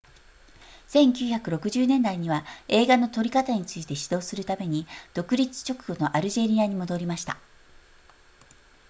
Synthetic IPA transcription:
sẽ̞ŋkʲɨːçakɯ̟ɾo̞kɯ̟ʑɨːnẽ̞nd̪aiɲ̟iβae̞ːɡano̞t̪o̞ɾʲikat̪aɲ̟it͡sɨit̪e̞ɕi̥d̪o̞ːsɨɾɯ̟t̪ame̞ɲ̟id̪̥o̞kɯ̟ɾʲit͡sɨ̥t͡ɕo̞kɯ̟ɡo̞no̞ʔaɾɯ̟ʑe̞ɾʲiaɲ̟imo̞d̪o̞ɾʲimaɕi̥t̪a̰

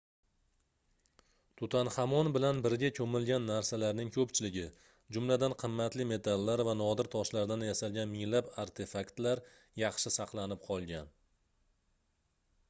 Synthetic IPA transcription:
t̪ʰʊt̪ʰanhamɒnbɪlanbɪɾɡʲakʲʰɵmɪlɡʲanːaɾsalaɾnɪŋkʲʰɵpt͡ʃʰɪlɪɡʲɪ | d͡ʒʊmlad̪anqʰɨmːat̪lɪme̞t̪ʰalːaɾvanɒd̪ɪɾt̪ʰɒʃlaɾd̪anjasalɡʲanmɪŋlabaɾt̪ʰe̞fakt̪laɾ | jɑχʃɪsɑqlˠanɪp̚qʰɒlˠɡʲan

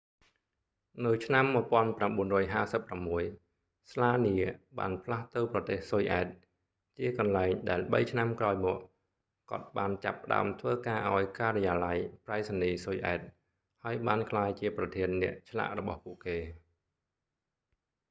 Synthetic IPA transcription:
nɨwt͡ɕʰnamːəpŏənpramɓuənrɔːjɦaːsəpːramːuəj | slaːniəɓa̰ːnpʰlaht̪owprɑt̪eːhsojʔaɛt̪̚ | t͡ɕiəkɑnlaɛŋɗaɛlɓə̰jt͡ɕʰnamkraɔjmɔəʔ | kŏət̪̚ɓaːnt͡ɕa̰pːə̆ɗa̰əmt̪ʰʋəːkaːʔaɔjkaːɾɛjaːlajpraɛsaniːsojʔa̰ɛt̪̚ | haəjɓaːnkʰlaːjt͡ɕiəprɑt̪ʰiənːɛ̆əʔt͡ɕʰla̰ʔrɔɓɑ̰hpuəʔkeː

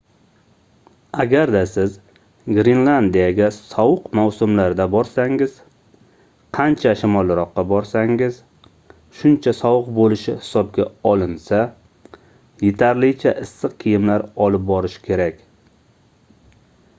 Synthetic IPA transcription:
aɡʲaɾd̪asɪz | ɡɾinland̪ijaɡʲasɒwɨqmawsʊmlaɾd̪abɒɾsaŋɪz̥ | qʰɑnt͡ʃʰaʃɪmɒlˠɾɒqːɑbɒɾsaŋɪz | ʃʊnt͡ʃʰasɒwɨq̚bolɪʃɪhɪ̥sɒb̚ɡʲa̰ɒlˠɪnsa | je̞t̪ʰaɾlɪt͡ʃʰaʔɪsːɨqqʰijɪmlaɾɒlɪp̚bɒɾɪʃɪ̥kʲʰe̞ɾakʲ

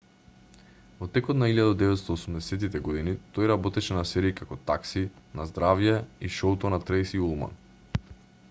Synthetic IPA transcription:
vɔt̪ɛkɔt̪nailjad̪ad̪ɛvɛt̪st̪ɔːsumd̪ɛsɛt̪it̪ɛɡɔd̪init̪ojɾabɔt̪ɛʃɛnasɛɾiːkakɔt̪aksinazd̪ɾavjɛiʃɔut̪ɔnat̪ɾejsiulˠma̰n

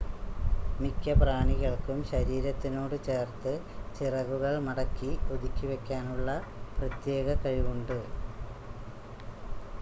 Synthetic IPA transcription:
mikʲːɐpraːɳiɣɐɭkumɕɐɾiːɾɐt̪ːinoːɽɨt͡ɕe̞ːrt̪ɨ | t͡ɕirɐɣuɣɐɭmɐɽɐkːiod̪ikʲːiʋe̞kʲːaːnuɭːɐprɐt̪je̞ːɣɐkɐɻiɣuɳɖɨ

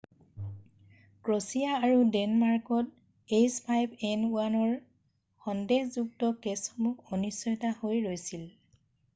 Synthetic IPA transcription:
kɹosijaːɹudɛnmaɹkɔt̚ | ejspʰajbɛnuanɔɹ | xɔndehzuk̚tɔkesxɔmukʰɔnisɔjɔtahojɹojsil

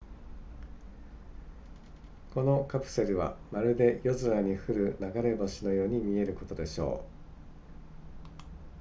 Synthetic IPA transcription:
ko̞no̞kapɯ̟̥se̞ɾɯ̟βa̰maɾɯ̟d̪e̞jo̞zɨɾaɲ̟iɸɯ̟ɾɯ̟naɡaɾe̞bo̞ɕino̞jo̞ːɲ̟imʲie̞ɾɯ̟ko̞t̪o̞d̪e̞ɕo̞̰ː

